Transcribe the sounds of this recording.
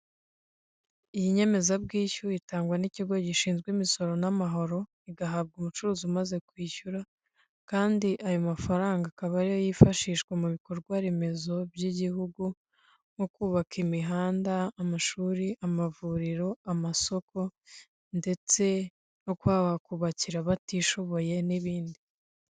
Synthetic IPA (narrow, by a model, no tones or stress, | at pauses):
ijiɲe̞me̞zabɡiːçuitaːŋɡwaniciɡo̞ɟiʃiːnzɡwimiso̞ɾo̞namaɦo̞ɾo̞ | iɡaɦab̚ɡumut͡ʃuɾuːziumaze̞kwiːçuɾa | kaːndiʔajomafaɾaːŋɡakaβaɾijojifaʃiːʃɡwemuβiko̞ɾɡwaɾe̞me̞zo̞bjiɟihuɡu | nokuːβakʰimiɦaːndaːmaʃuːɾiʔamavuɾiɾo̞amaso̞ko̞ | nde̞t͡se̞ | no̞kwaːβakuβaciɾaβatiʃo̞βo̞je̞niβiːndi